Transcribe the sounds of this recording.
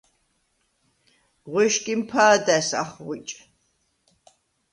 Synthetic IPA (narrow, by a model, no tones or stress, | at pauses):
ʁwɛʃkʼimpʰaːd̪æsa̰χʁʷit͡ʃʼ